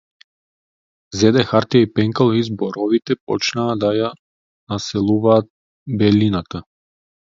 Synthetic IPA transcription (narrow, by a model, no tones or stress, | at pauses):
zɛd̪ɛxaɾt̪ijaipɛŋkalˠizbɔɾɔvit̪ɛpɔt͡ʃnaːd̪aja | nasɛlˠuvaːt̪̚ | bɛlinat̪a